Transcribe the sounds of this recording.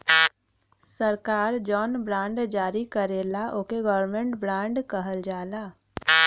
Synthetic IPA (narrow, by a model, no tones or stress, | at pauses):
səɾkaːɾd͡ʒɔːnbɾãːɳɖd͡ʒaːɾikəɾeːlaʔoːkeɡɔːəɾmẽɳʈbɾãːɳɖkəɦəld͡ʒaːlaː